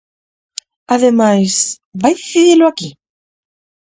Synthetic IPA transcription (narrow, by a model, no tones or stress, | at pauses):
aðemajs | bajðiθiðiɾloaki